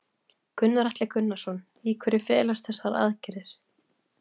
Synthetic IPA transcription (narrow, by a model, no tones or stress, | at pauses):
kʰʏnːaɾaht̪lɪkʰʏnːasɔn | iːkʰɛɾɪfɛːlast̪θɛsːaɾa̰ðcɪɾɪɾ̥